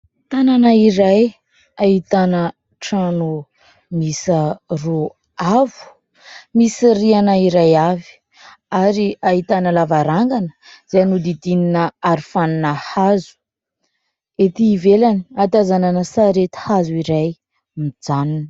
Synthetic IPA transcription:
t̪ananaiɾaj | aɦit̪anə | ʈ͡ʂanu | misəru | avu̥ | misirianaiɾajavi̥ | aɾiaɦit̪anəlavaɾaŋɡanə̥z̥eanud̪id̪ininəaɾifaninəhazu̥ | et̪iːvelani̥at̪azananəsaɾet̪i̥hazuiɾaj | mid͡zaninə

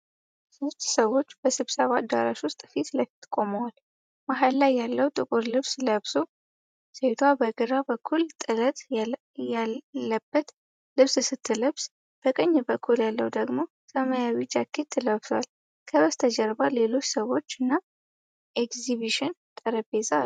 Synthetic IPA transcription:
sost̪səwo̞t͡ʃːb̥əsɨβsəβad̪a̰ɾa̰ʃwʊst̪ʼfit̪ləjft̪ʰːkʼoməwal | maɦalːajːalːəwt̪ʼɨkʼʊɾlɨβsləβso | set̪ʰwabəɡɨɾabəkʰːult̪ʼɨlət̪ʼ | jaːəbːət̪ | lɨβsɨsɨt̪ʰːɨləβs | b̥əkʼəɲːɨbəkʰːuljalːəwd̪əɡmo̞ | səməjawid͡ʒakʰːet̪ʰːɨləβswal | kʰəβəst̪ʰəd͡ʒəɾbale̞lo̞t͡ʃːsəwo̞t͡ʃːɨnːa | ʔekziβiʃɪnt̪ʼəɾəbezʼa

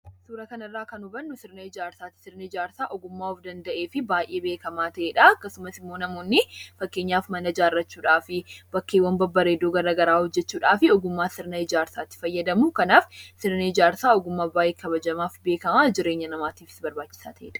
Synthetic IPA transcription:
suːɾɐkɐnɐrːaːkɐnʊbɐnːʊsɪɾnɐɪd͡ʒaːɾsaːt̪ːɪ̥sɪɾnɐɪd͡ʒaːɾsaːʔɔɡʊmːaːɔfd̪ɐnd̪ɐʔeːfɪbaːjʔe̞ːbe̞ːkɐmaːt̪ɐʔeːᶑɐɐkːɐsʊmɐsɪmːoːnɐmo̞ːnːɪfɐkːe̞ːɲːaːfmɐnɐd͡ʒaːrːɐt͡ʃːuːᶑaːfɪb̥ɐkːeːwːɐnbɐbːɐɾeːd̪ːoːɡɐɾɐɡɐɾaːhɔd͡ʒːɛt͡ʃːuːᶑaːfɪɔɡʊmːaːsɪɾnɐɪd͡ʒaːɾsaːt̪ːɪ̥fɐjːɐd̪ɐmʊkɐnaːfsɪɾnɐɪd͡ʒaːɾsaːɔɡʊmːaːbaːʔeːkʰɐbɐd͡ʒɐmaːfbeːkɐmaːd͡ʒɪɾe̞ːɲːɐnɐmaːt̪iːfɪ̥sbɐɾbaːt͡ʃːɪ̥saːt̪ɐʔḛːᶑɐ̥

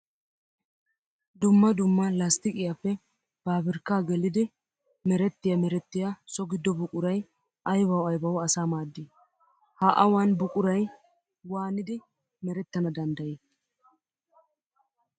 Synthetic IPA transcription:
d̪ʊmːɐd̪ʊmːɐlast̪ɪkʼɪjapːɛ | b̥aːbɪɾkːaːɡɛlɪd̪ɪ | mɛɾɛt̪ːɪjɐmɛɾɛt̪ːɪjasɔɡɪd̪ːɔbʊkʼʊɾɐj | ʔɐjbɐwɐjbɐwɐsaːmaːd̪ːɪ | haʔɐwaːnbʊkʼʊɾɐj | waːnɪd̪ɪ | mɛɾɛt̪ːɐnɐd̪ɐnd̪ɐje

